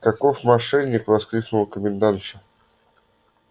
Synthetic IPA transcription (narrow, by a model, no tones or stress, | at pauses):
kɐkofmɐʂɛnʲːɪkvɐskɾʲiknʊlˠəkəmʲɪnd̪ant͡ɕɪ